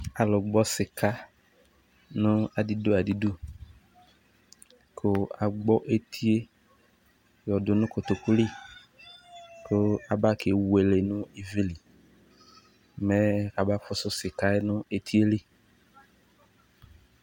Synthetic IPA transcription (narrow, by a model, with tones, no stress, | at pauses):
a˨lʊ˨ɡ͡bɔ˦sɪ˨kʰa˦ | nʊ̃˦a˨di˦do˦a˨di˨˦du˦ | kʰo˦a˨ɡ͡bɔ˦ʔe˦t̪ʰi˦e˦ | jɔ˨dʊ˨nʊ̃˦ko˨t̪ʊ˨ku˦li˦˨ | kʊ˦a˨ba˦kʰe˨we˨le˨nʊ̃˦i˦vi˦li˨ | mɛ̃˦ka˨ba˦fʊ˦sʊ˦sɪ˨ka˦e˦nʊ̃˦e˨t̪ʰi˦e˦li˦